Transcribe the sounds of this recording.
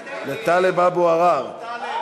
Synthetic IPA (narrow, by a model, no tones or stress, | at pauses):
let̪alebaboaʁav